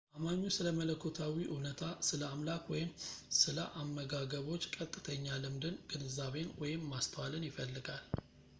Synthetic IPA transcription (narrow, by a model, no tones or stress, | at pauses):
ʔamaɲːusɨləmələkʰːot̪ʰawiʔɨnət̪ʰasɨləamlakwɔjɪmsɨlə̰ʔamːəɡaɡəβo̞t͡ʃːkʼət̪ʼːɨt̪ʰəɲːalɨmd̪ɨnɡɨnɨzaβe̞nwɔjɪmːast̪ʰəwalɨnjɪfəlːɨɡal